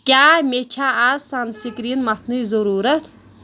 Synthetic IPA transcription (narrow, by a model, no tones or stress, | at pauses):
kʲaːmet͡ʃʰaazsansikɾinmɐt̪ʰnɨjzoɾuːɾɐt̪ʰ